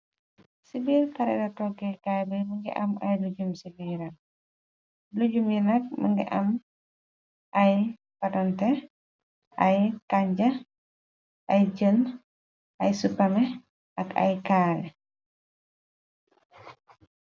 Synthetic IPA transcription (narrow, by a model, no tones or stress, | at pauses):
sibilkɐɾɛ̰dɐtɔɡɛkajbəməŋɡḭʔɐmɐjluɟumsibiɾɐl | luɟumjinɐk̚mə̰ŋɡḭʔɐ̰m | ʔɐj | pɐtɔntɛ | ɐjkaɲd͡ʒɐ | ʔɐjd͡ʒən | ʔɐjsupɐmɛ | ʔɐkɐ̰jkaːlɛ